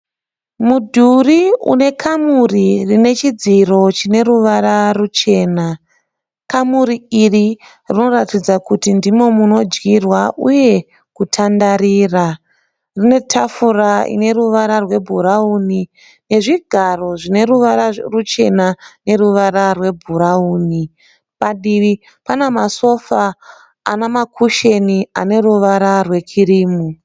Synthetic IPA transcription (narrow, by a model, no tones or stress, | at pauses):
mudʱuriṵne̞kʰamuririne̞t͡ʃid͡ziro̞t͡ʃine̞ɾuʋaɾarut͡ʃe̞ːna | kamuɾiiri | rino̞ɾatid͡zakutindimo̞muno̞d͡ʒɡirwaʔuje̞ | kutʰandaɾiːra | rine̞tʰafuraḭne̞ruʋaɾarwe̞bʱuɾauni | ne̞ʐiɡʱaro̞ʐine̞ruʋaɾarut͡ʃe̞nane̞ruʋaɾarwe̞bʱuɾauːni | paɗiʋi | panamaso̞faː | namakʰuʃeniane̞ruʋaɾarwe̞kʰiɾiːmu